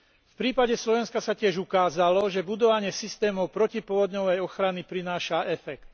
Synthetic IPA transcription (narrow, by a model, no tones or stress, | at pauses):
fpɾiːpaɟɛslɔʋɛnskasacɪɛʒukaːzalɔʒɛbud̪ɔʋaɲɪɛsist̪ɛːmɔʊpɾɔcipʊɔʋɔd̪ɲɔʋɛjɔxɾanipɾinaːʃaʔɛfɛkt̪̚